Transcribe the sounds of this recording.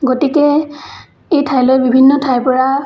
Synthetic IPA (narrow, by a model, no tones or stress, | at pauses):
ɡotikɛ | ejtʰajlɔjbibʱinːɔtʰajpɔɹa